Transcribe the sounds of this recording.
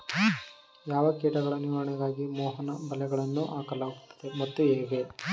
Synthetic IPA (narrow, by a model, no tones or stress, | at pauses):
jaːʋɐkɛːʈɐɡɐɭɐniʋɐɾɐɳɐɡaːɡimɔːɦɐnɐbɐlɛɡɐɭɐnːuʔaːkɐlaːɡut̪ːɐ̥d̪emɐt̪ːueːɡe